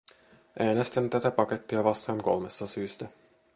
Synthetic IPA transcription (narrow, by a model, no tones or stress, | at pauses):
ʔæːnest̪ænt̪æt̪æpɑke̞t̪ːiɑʋɑst̪ɑŋko̞̰lmest̪ːɑsyːst̪æ